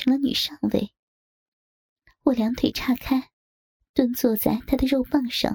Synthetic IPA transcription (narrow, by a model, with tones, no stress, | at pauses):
ɤ˧˥lə˧ny̰˨˩ʂɑ˥˧ŋwḛ˥˩ɪ | wɔ˥˩ljɑ˧˥ŋt̪ʰe˨˩ʈ͡ʂʰa˥˩kʰa˥ɪ | t̪wə˥nt͡swɔ˥˧t͡sa˥˩ɪt̪ʰa˥d̪ə˨ɻo˥˧ʊpɑ˥˧ŋʂɑ̰˥˩